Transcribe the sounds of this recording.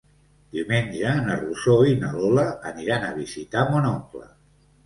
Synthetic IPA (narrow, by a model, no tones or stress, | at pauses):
d̪̥iumenʲd͡ʒəːnərusoinəloləːniɾanəβ̞izit̪amonɔklə̰